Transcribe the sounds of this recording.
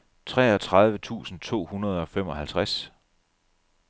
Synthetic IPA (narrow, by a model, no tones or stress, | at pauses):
t͡sʰʁɛ̰ːɒ̽t͡sʰʁɑ̈ð̞ˠʋət͡sʰṵːsn̩t͡sʰo̝̰ːhunɐð̞̩ˠɒ̽fem̰ɒ̽hælt͡sʰʁas